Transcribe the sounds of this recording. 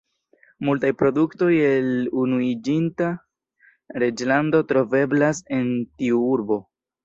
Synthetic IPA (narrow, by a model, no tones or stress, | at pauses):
multajpɾo̞dukto̞jelunuid͡ʒinta | ɾe̞d͡ʒlando̞tɾo̞ve̞blase̞ntiuuɾbo̞